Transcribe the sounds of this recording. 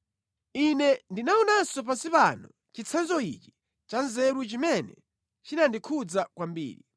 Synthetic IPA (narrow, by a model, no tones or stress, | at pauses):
inɛndinaɔnasɔp̬asipanɔ | t͡ʃit͡sʰanzɔit͡ʃi̥ | t͡ʃanzɛɾut͡ʃimɛnɛ̰ | t͡ʃinandikʰud͡zakwambḭːɾḭ